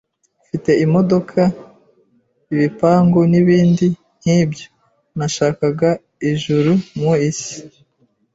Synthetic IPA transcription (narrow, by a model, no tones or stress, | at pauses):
fite̞imo̞do̞kʰa | iβipaːŋɡoniβiːndi | n̥hiːbjo | naʃaːkaɡa | iʒuɾumŋuisi̥